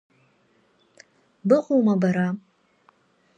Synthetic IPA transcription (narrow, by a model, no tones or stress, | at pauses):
bɨqʼuwmabaɾa